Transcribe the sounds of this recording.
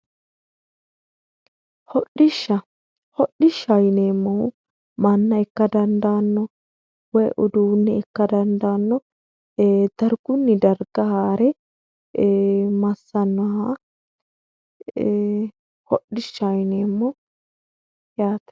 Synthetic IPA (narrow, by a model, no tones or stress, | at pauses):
hɔɗːɪʃːɐ | hɔɗːɪʃːɐjneːmːɔw | mɐnːɐɛkːɐd̪ɐnd̪aːnːɔ | wɔjʔɔd̪uːnːɛɛkːɐd̪ɐnd̪aːnːɔ | d̪̥ɐɾɡ̥ʊnːɪd̪ɐɾɡ̥ɐhaːɾɛ | mɐsːɐnːɔha | hɔɗːɪʃːɐjneːmːɔ | jaːt̪ɛ̥